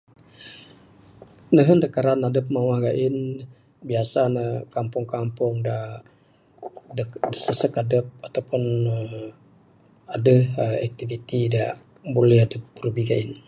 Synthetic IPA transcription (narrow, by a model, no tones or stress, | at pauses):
nəɦəndakaɾanadəp̚mawahɡaʔɪn | biasanəkampʊŋkampʊŋda | dəsəsəkadəp̚at̪awpʊnə | adəhəak̚t̪ivit̪ida | bolɛhɦadəp̚ːəɾubiɡain